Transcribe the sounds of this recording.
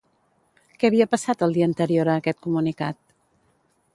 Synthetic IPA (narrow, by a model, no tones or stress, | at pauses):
kɛβiəpəsat̪əlˠd̪iəːnt̪əɾioɾəːkɛt̪̚kumunikat̪̚